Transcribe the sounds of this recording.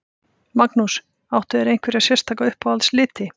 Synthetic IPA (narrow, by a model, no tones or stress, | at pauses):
maknus | awht̪ʏɛɾejŋ̥kvɛɾjasjɛ̥st̪ʰaːkaʏhpaalslɪːt̪ɪ